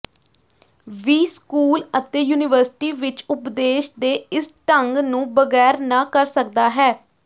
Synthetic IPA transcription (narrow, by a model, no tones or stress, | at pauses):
ʋiːskuːlət̪eːjuːnɪʋəɾsʈiːʋɪt͡ʃʊpd̪eːʃd̪eːɪsʈəŋɡnũːbəɡɛːɾnaːkəɾsək̚d̪aːɦɛː